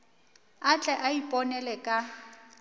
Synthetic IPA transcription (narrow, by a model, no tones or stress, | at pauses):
at͡ɬʼɛʔaipʼɔnɛlɛkʼa